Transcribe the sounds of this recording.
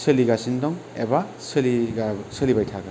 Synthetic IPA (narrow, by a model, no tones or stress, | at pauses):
sɯliɡasindɔŋḛba | sɯlisɯlibajtʰaɡa